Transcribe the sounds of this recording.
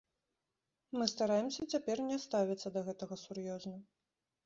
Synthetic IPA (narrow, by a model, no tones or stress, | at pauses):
mɨst̪aɾajɛmsʲɐt͡sʲapʲɛrnʲɛst̪avʲit̪sːɐd̪ɐɣɛt̪ɐɣɐsurjɔznɐ